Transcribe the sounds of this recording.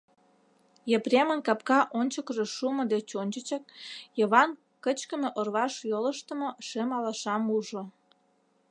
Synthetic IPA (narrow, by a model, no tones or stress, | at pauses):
jəprʲemə̆nkɑpkɑʔonʲt͡ɕəkʒeʃumod̪et͡ɕonʲt͡ɕət͡ɕɑk̚jəβɑn | kət͡ɕkə̆mĕʔorβɑʃjoləʃt̪ə̆moʃemɑlɑʃɑmuʒo